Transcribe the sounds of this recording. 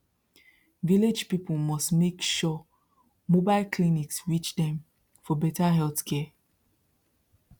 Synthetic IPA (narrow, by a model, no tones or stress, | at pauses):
viled͡ʒpipəlmɔstmekʃɔ | mobaɪlkʰliniksɹit͡ʃdɛ̃m | fɔbɛtaɦɛlθkʰɛ